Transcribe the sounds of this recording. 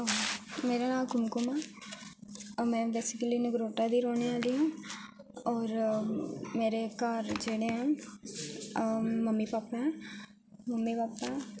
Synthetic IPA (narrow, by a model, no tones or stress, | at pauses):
omeːɾaːnaːlkʊmkʊmaː | mɛ̃ːbeːsɪkəliːnəɡɾoːʈaːd̪iːɾoːneaːliãː | ɔːɾ | meːɾekaːɾd͡ʒeːɽeãː | məmːipaːpɛ̃ː | məmːipaːpːaː